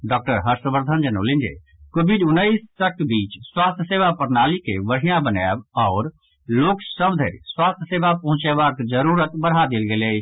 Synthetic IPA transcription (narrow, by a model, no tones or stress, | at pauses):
ɖɔːk̚ʈəɾɦəɾsbəɾd̪ʱənd͡ʒəno̰ːlɪ̃nd͡ʒḛ | koːbiɖʊnːəissək̚ʈbiːt͡ʃswaːst̪ʰjəseːbapəɾnaːlikeʋəɽ̤ijãbənɛ̰ːbɔːɾ | loːksəbd̪ʱə̰ɾswaːst̪ʰjəseːbapɐ̃ɦʊ̃t͡ʃeʋaːɾk̪d͡ʒəɾuːɾət̪bəɽ̤ad̪ɪlɡeːle